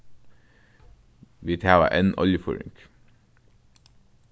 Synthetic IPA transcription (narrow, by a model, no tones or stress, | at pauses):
ʋiːt̪ʰæːʋɑ̰ʔenʔɔ̰ljəfɔ̰ːɹɪ̰ŋk